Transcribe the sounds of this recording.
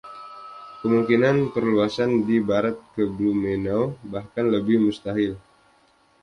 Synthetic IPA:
kəmuŋkinanpərluasandibaɾat̪̚kəblumenabahkanləbɪhmust̪aɦɪl

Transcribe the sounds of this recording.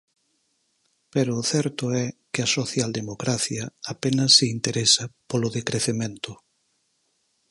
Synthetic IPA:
peɾʊθɛɾt̪ʊɛkɪɐsoθjald̪emokɾaθjɐapenɐsːɪint̪eɾesɐpolʊðekɾeθemẽnt̪ʊ

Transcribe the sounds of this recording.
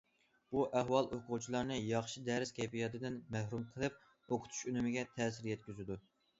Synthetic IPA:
b̥uʔæɦwɑlˠʔoqʰut͡ʃʰilˠɑɾnɨjɑχʃid̪ɛɾɪskʲɛjpijɑt̪ɨd̪ɪnmæhɾumqʰəlˠɨp̚ | oqʰʊ̥t̪ʰu̥ʃynymɪɡʲɛt̪ʰɛːsɪɾjɛt̪̚kʲyzɪd̪u

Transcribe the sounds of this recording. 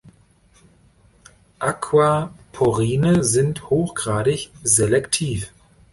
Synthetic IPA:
ʔakʰwapʰoʁiːnəzɪnthoːxɡ̥ʁaːɾɪçzelɛktʰiːf

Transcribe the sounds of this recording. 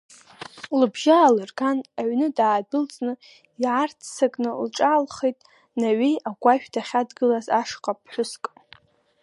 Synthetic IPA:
lɨbʒaːlɨrɡanaɥnɨdaːbɪlt͡sʼnɨ | iʕart͡sʰsakʼnɨlʈ͡ʂʼaːlχejtʼ | naɥiaɡʷaʃᶣdʰaχʲadɡɨlazaʂqʼap̚ʰħʷʊskʼ

